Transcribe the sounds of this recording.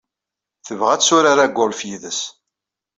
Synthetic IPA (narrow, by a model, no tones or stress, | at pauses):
θəvʁæt͡ssʊɾaɾæɡːʊlfjiðəs